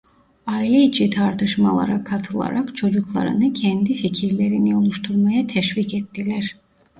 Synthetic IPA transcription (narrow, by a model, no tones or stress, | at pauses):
aːilʲɛit͡ʃʰit̪ʰaɾt̪ʰɯʃmalˠa̰ɾakʰat̪ʰɯlˠa̰ɾakt͡ʃʰo̞d͡ʒuklˠa̰ɾɯ̰nɯcʰɛnd̪ificʰiɾlʲe̞ɾiniolˠuʃt̪ʰuɾmajat̪ʰɛʃvikɛt̪ːilʲæɾ̥